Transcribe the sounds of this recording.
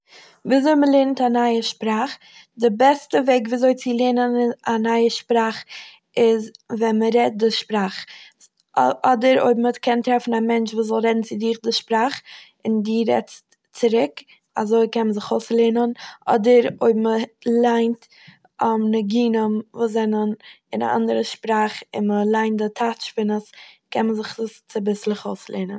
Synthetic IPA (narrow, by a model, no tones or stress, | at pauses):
viːzoɪməlˠeɾntanaɪəʃpɾaχ | dɪbɛstəveɪk̬viːzoɪt͡sɪlˠeːnənanaɪəʃpɾaːχ | ɪzvɛnməɾɛt̚dɪʃpɾaχ | ɔdəɾo̰ɪbməkʰɛntɾɛfn̩amɛnt͡ʃvuːs̬zɔlˠɾɛdn̩t͡sɪdɪχdɪʃpɾaχ | ɪndiːɾɛ̰t͡st | t͡sɪɾɪk | a̰zoɪkɛnməzɪχoʊslˠeːnənʔɔ̰dəɾoɪbməlˠaɪnt | ɔmnəɡiːnəmvuːs̬zɛnən | ɪna̰ʔa̰ndəɾəʃpɾaːχɪ̰nməlˠaɪnt̚dɪtʰatʃpɪnəskʰɛnməzɪχzɪst͡sɪbɪslˠɪχoʊslˠḛːnən